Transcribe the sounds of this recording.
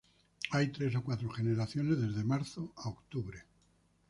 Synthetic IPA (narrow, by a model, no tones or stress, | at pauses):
ajt̪ɾe̞s̬o̞kwat̪ɾoχe̞ne̞ɾaθjo̞ne̞zðe̞zðe̞maɾθoaokt̪uβɾe